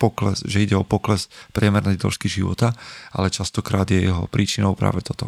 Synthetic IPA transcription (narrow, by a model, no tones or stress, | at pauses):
pɔklɛ̰sʒɛiɟɛɔpɔklɛspɾɪɛmɛɾnɛjd̪lɔ̰ʃkiʒiʋɔ̰t̪aʔa̰lɛt͡ʃast̪ɔkɾaːd̪jɛjɛɦɔpɾʔiːt͡ʃinɔʊpɾa̰ːʋɛt̪ɔt̪ɔ